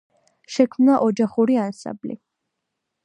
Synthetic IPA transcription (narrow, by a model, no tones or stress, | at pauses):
ʃɛkʰmnaʔɔd͡ʒaχuɾiansã̰mblḭ